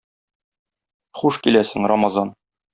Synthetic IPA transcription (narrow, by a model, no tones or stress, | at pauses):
χuʃkilæsɘ̆ŋɾamɑzɑn